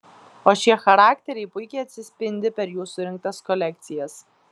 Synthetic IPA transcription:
oːʃʲiɛxɐɾɑːkt̪ʲɛɾʲɛɪpʊɪkʲɛɪɐt̪ʲsʲɪsʲpʲɪnʲd̪ʲɪpʲɛɾjuːsʊɾʲɪŋk̚t̪ɐskɔlʲɛk̚t̪sʲɪjɛs

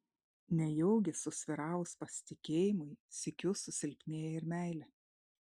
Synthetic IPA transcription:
nʲɛjɔʊɡʲɛsʊsʲʋʲɪɾɑˑːʊʊspɐsʲɪ̥t̪ʲɪkʲeːjɪmʊɪsʲɪkʲʊsʊsʲɪlʲpʲnʲeːjɛɪɾmʲæˑɪlʲɛ

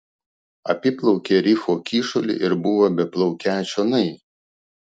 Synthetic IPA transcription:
ɐ̰pʲɪplˠɔʊkʲeːɾʲɪfoːkʲiːʃʊlʲɪ̰ʔɪɾbʊʋoːbʲɛplˠɔʊkʲæːt͡ʃʲoːnɐɪ

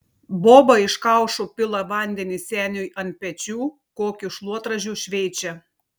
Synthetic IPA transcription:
boːbɐɪʃkɐˑʊʃopʲɪlˠɐʋɐˑnʲd̪ʲɛnʲɪsʲæːnʲʊjʔɐnt̪̚pʲɛt͡ʃʲuː | koːkʲuʃlˠuɔt̪ɾɐʒʲuːʃʲʋʲɛɪt͡ʃʲɛ

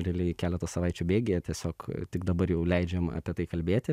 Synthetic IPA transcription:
ɾʲɪlʲɪkʲæːlʲɛt̪oːsɐʋɑɪt͡ʃʲuːbʲeːɡʲejɛt̪ʲiɛsʲoːkt̪ʲɪɡd̪ɐbɐɾjɛʊlʲɛɪd͡ʒʲɛmɑ̰ːpʲiɛt̪ɐɪkɐlʲbʲeːt̪ʲɪ

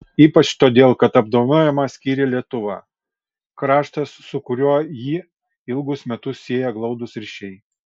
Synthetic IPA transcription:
iːpɐt͡ʃt̪oːd̪ʲeːlˠkɐt̪ɐb̚d̪oːnoːjɛmɑsʲkʲiːɾʲɪlʲiɛt̪ʊʋɑ̰ː | kɾɑːʃt̪ɐsːʊkʊɾʲuɔjiː | ɪlˠɡʊsmʲɛt̪ʊsːʲiɛjɛɡlˠɒʊd̪ʊsɾʲɪʃʲɛɪ

